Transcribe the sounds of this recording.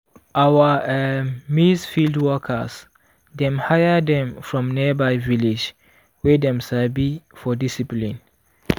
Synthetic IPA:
ʔawə | misfildwɔkʰə̰s | dɛ̃mhajədɛ̃mfɹɔ̃mniəbaɪvilid͡ʒ | wɛdɛ̃mʃalbifɔdisiplĩn

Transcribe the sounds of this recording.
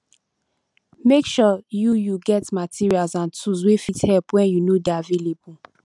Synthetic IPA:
mekʃɔjujuɡɛtmatʰiɹialzãntʰuswefithɛlpwɛ̃njunodavelebu

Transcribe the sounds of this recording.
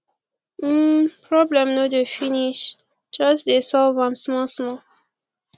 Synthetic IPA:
pɹɔblɛ̃mnodefiniʃ | d͡ʒʌsdesɔlvãmsmɔsmɔ

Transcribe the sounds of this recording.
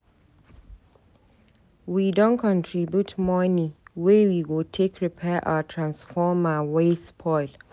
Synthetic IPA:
widõnkʰɔ̃ntʰɹibjutmɔnĩwewiɡotʰekʰɹipʰɛʔa̰ətʰɹãnsfɔmawespʰɔɪl

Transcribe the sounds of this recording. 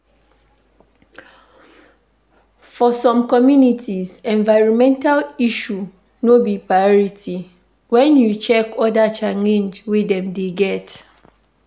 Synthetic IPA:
fɔsɔ̃mkɔmjunitʰisɛ̃nvaɪɹɔ̃nmɛ̃ntʰaliʃu | nobipɹajɔɹitʰi | wɛ̃njut͡ʃɛkɔdat͡ʃaŋĩnd͡ʒwedɛ̃mdeɡɛt

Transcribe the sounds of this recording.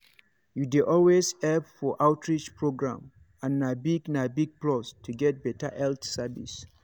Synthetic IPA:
juduʔɔlwezhɛlpfɔʔaʊtʰɹit͡ʃpʰɹoɡɹã̰m | ãnːabiɡnabiɡ̚plɔstʰuɡɛt̚bɛtʰaʔɛlθsavḭs

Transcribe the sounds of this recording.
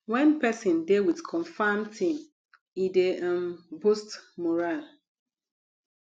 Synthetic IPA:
wɛ̃npɛsĩndewiðkʰɔ̃nfamtʰĩm | ideə̃mbustmɔɹal

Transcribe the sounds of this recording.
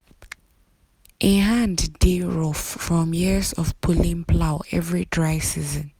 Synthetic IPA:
ʔɪɦãnddiɹɔffɹɔ̃mjizɔfpʰʊlĩnpʰlaʊɛvɹidɹaɪsizə̃n

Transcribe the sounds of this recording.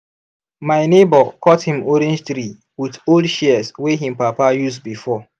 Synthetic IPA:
maɪnebɔkɔthĩmoɾẽnd͡ʒtɾi | widoldʃɛsweɦĩm̩papajusbifɔ

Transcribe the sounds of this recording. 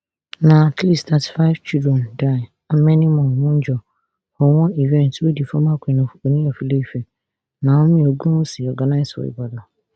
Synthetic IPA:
nãtʰlistʰatʰi̥faɪv̥t͡ʃʰidɛ̃ndaɪ | amɛ̃nĩmɔ̃nʊ̃n̩d͡ʒɔ | hɔwɔ̃ivɛ̃ntwedifɔmãkʷʰĩnʊ̃onĩɔfilefɛ | nãwʊ̃mĩoɡũnʊ̃siɔɡanaɪsɔ̰ḭbada

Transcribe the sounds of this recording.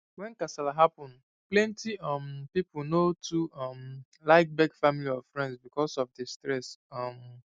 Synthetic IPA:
wɛ̃nkasalaɦapɔ̃n | plɛ̃ntiʌmpipʊlnotuʌm | laɪk̚bɛɡfamiliɔvfɹɛ̃ndsbikɔsɔvdɛstɹɛsʌm

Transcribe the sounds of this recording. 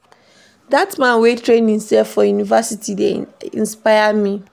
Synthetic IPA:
datmãnwetʰɹẽnĩnsɛfːɔjunivasitʰideḭ̃nspaɪamĩ

